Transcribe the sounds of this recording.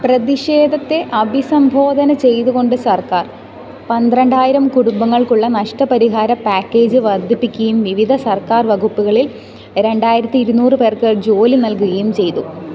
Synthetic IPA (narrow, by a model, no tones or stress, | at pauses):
prɐðiɕeːd̪ʱɐt̪ːe̞ʔɐbʱisɐmbʱo̞ːd̪ʱɐnɐt͡ɕe̞jt̪uɣo̞ɳɖɨsɐrkaːr | pɐnd̪ɾɐɳɖaːjiɾɐmkuɽumbɐŋːɐɭkuɭːɐnɐʂʈɐpɐɾiɦaːɾɐpːaːkːe̞ːd͡ʑɨʋɐrd̪ʱipːikʲːɐjumʋiʋid̪ʱɐsɐrkaːrʋɐɡupːuɣɐɭil | ɾe̞ɳɖaːjiɾɐt̪ːiːɾunːuːrɨpe̞ːrkɨd͡ʑo̞ːlinɐlkuɣɐjumt͡ɕe̞jt̪u